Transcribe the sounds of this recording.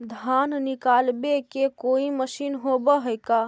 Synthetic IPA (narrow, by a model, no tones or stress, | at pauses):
d̪ʱannikalbekekoiməʃinɦobəɦəjka